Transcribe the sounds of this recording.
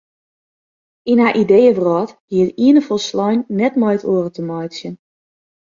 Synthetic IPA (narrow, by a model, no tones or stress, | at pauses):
inɦaːʔidejəvrɔːthiətiənəfolˠslɔjnːɛtmɔjtʰoərətəmɔjsjən